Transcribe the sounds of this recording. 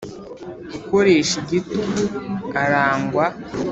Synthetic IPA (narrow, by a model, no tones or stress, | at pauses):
iko̞ɾe̞ʃiɟituɡuaɾaːŋɡwa